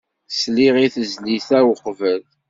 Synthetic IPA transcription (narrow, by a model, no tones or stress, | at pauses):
sliʁiθəzliθæwəqːvəl